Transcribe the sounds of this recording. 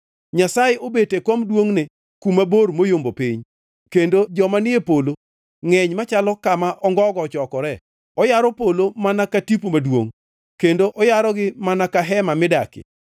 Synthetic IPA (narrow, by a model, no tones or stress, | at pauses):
ɲasajeʔobetekomdwoŋne | kumaboɾmojombopiɲ | kendod͡ʒɔmanɪepolo | ŋɛɲmat͡ʃalɔkamaʔɔŋɡɔɡɔt͡ʃɔkɔɾɛ | ɔjaɾɔpolomanakatipomadwo̰ŋ | kendoʔɔjaɾɔɡɪmanakaɦɛmamɪdakɪ̰